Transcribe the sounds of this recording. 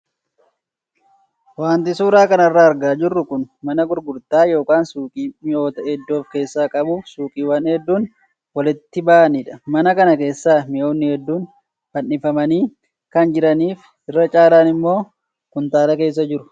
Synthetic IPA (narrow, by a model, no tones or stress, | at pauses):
waːnt̪ɪsuːɾaːkɐnɐrːaːɐɾɡaːd͡ʒɪrːʊkʊnmɐnɐɡʊɾɡʊɾt̪aːjo̞ːkaːnsuːkʼiːmɪʔo̞ːt̪ɐɛd̪ːo̞ːfke̞ːsːaːkʼɐbuːfsuːkʼiːwɐnhɛd̪ːuːn | wɐlɪt̪ːɪbaːʔɐnɪᶑɐmɐnɐkɐnɐke̞ːsːaːmɪʔo̞ːnːɪhɛd̪ːuːn | fɐnːɪfɐmɐniː | kɐnd͡ʒɪɾɐniːf | ɪrːɐt͡ʃʼaːlaːnɪmːo̞ː | kʊnt̪aːlɐke̞ːs̬ːɐd͡ʒɪɾʊ̥